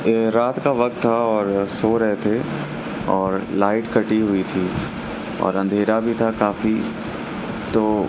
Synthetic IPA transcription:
ɾaːt̪kaʋɐk̚t̪ʰːaɔːɾsoɾɐɦet̪ʰe | ɔːɾlaːɪʈkɐʈiɦʊit̪ʰiː | ɔ̰ːɾɐ̃nd̪ʱeːɾabʱit̪ʰakaːfi | t̪oː

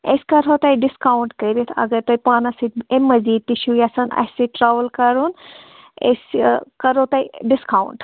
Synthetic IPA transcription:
ḛskɐɾot̪ɐjɖiskaːwuɳʈkɐɾit̪ʰɐ̰ɡəɾt̪oːjpaːnɐsit̪emːɐziːd̪̚t̪iʃujasɐnɐ̰siʈɾaːʋəlkɐɾun | ḛskɐɾot̪ɐiɖiskaːwuɳʈ

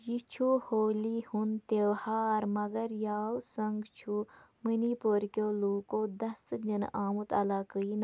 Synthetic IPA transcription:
jit͡ʃʰuhoːlihunt̪eʋhaːɾmɐɡɐɾjaːwsɐŋɡt͡ʃʰu | minipoːɾkʲjoːluːkoːd̪ɐsd͡ʒənaːmut̪ɐlaːkəin

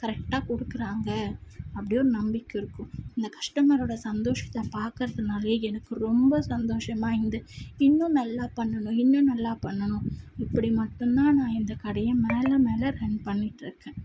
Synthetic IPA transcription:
kɐɾɛk̚ʈaːkɔɽɯkːɪɾaːŋɡɐɐpːɐɽɪjoːɾɯnɐmbɪkːɪɾɯkːʊ̃ɪnd̪ɐkɐʂʈɐmɐɾoːɽɐsɐnd̪oːʂɐ̥t̪ːɐpaːɾkɯɾɐðɐnaːleɛnɐkːɯɾɔmbɐsɐnd̪oːʂɐmaːɪnd̪ɯɪnːʊ̃nɐlːaːpɐɳːɐnʊ̃ɪnːũnɐlːaːpɐɳːɐnʊ̃ɪpːɐɽimɐʈːɯnnaːnãːɪnd̪ɐkɐɽɐjɐ̃meːlɐmeːlɐɾɛɳpɐɳːɪʈːɪɾɯkːẽ

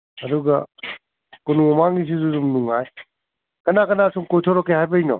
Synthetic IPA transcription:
ɐd̪uɡɐ | konuɔmaŋis̬izuzumnuŋaj | kɐnakɐnasuŋkojtʰɔɾɔkʰeɦajbɐjnɔ̰

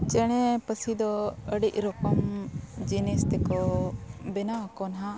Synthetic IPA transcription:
t͡ʃɛɽ̃ɛpəsid̪ɔəɽiʔ̚ɾɔkɔmd͡ʒinest̪ɛkɔ | bɛnakɔnɦa

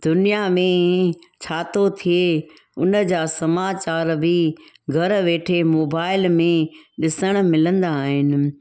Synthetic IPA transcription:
d̪̥ʊnijamẽt͡ɕʰaːt̪ʰot̪ʰie | ʊnəd͡ʑaːsɐmaːt͡ɕaːɾbʱɪ | ɡʱɐɾʋeːʈʰemoːbaːɪlmẽɗɪsəɽ̃̆mɪlə̃nd̪aːɦɪnɪ̆

